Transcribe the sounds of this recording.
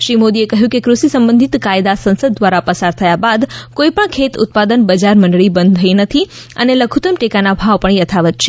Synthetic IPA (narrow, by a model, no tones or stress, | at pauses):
ʃɾimod̪iekəɦjũkekɾusisəmbə̃nd̪ʱit̪kajd̪asə̃nsəd̪̚ːʋaɾapəsaɾt̪ʰəjabad̪koipəɳkʰet̪ʊ̰t̪̚pad̪ənbəd͡ʒaɾmə̃ɳɖɭibə̃nd̪t̪ʰəinət̪ʰi | əneləɡʰʱut̪əmʈekanabʱaʋpəɳjət̪ʰaʋət̪̚t͡ʃʰe